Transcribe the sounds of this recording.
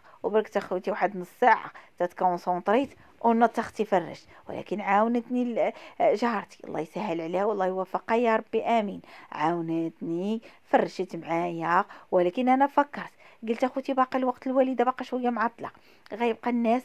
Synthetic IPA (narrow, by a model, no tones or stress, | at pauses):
wbɑɾək̚t̪æxut̪iwaħəd̪mnəsːaʕa̰t̪æt̪kowənsot̪ˤɾit̪ | wnːət̪ːɑxt̪ifɑrˤːə̰ʃt̪w̰lʔæ̰kənʕawnət̪ni | ʒɑhɑɾˤt̪iʔɑ̰lˤːɑ̰jsæhːəlʕlæwɑlˤːɑjwæfəqɑjɑɾˤɑbːiʔæminʕawnət̪nifɑrˤːʃət̪mʕajæqwəlækənʔænæfɑkːɑɾˤt̪ɡəlt̪æxut̪ibɑqɑlwɑqt̪əlwælid̪abɑqɑʃwəjːamʕat̪ˤlɑ̰q | ɣæjəb̚qɑnːæs